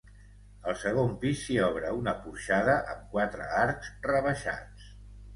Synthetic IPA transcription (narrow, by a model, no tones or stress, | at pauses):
əlˠsəɣ̞ompisːiɔβɾəunəpuɾʃaðəʔə̰mkwat̪ɾə̰aɾkz̥rəβəʃa̰t͡s